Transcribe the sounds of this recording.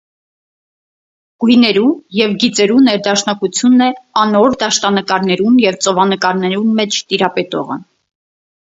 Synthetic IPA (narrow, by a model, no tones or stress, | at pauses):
ɡ̥ujnɛɾujɛvɡit͡sɛɾunɛɾd̪ɑʃnɑkut͡sʰjunːɛɑnɔɾd̪ɑʃt̪ɑnəkɑɾnɛɾunjɛvt͡sɔvɑnəkɑɾnɛɾunmɛt͡ʃʰt̪iɾɑpɛt̪ɔ̰ʁə̰